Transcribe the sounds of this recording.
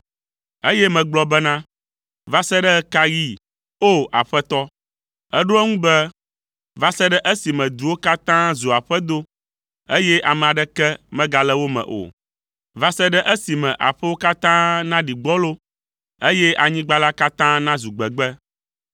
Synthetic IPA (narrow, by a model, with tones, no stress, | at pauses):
e˦jɛ˦mɛ̃˨ɡ͡blɔ˦bɛ˦nã˦ | va˦sɛ˦ɖɛ˦ka˦ji˦ | o˦˨ʔa̰˨ɸɛ˦t̪ɔ˦ | ɛ˦ɖo˦ɛ˦ŋũ˦bɛ˦ | va˦sɛ˦ɖɛ˦ʔe˦si˨mɛ̃˨d̪u˨wo˦ka˦t̪ã˦zu˨a˨ɸɛ˦d̪o˦ | e˦jɛ˦ʔa˨mɛ̃˨a˨ɖɛ˦kɛ˦mɛ̃˦ɡa˨lɛ˦wo˦mɛ̰̃˨ʔo̰˨ | va˦sɛ˦ɖɛ˦ʔɛ˦si˨mɛ̃˨ʔa̰˨ɸɛ˦wo˦ka˦t̪ã˦nã˦ɖi˨ɡ͡bɔ˦lo˦ | e˦jɛ˦ʔa˨ɲĩ˦ɡ͡ba˦la˦ka˦t̪ã˦nã˦zu˨ɡ͡bɛ˨ɡ͡bɛ˦